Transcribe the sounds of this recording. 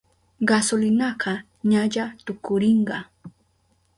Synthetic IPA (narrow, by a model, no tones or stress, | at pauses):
ɢasʊlɪnɑɢɑ | ɲaʎat̪ʊkʊɾɪɴɢɑ